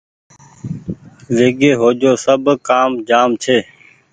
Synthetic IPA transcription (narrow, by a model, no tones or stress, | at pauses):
ʋeːɡeːɦoːd͡ʒoːsəbʱkaːmd͡ʒaːmt͡ʃʰeː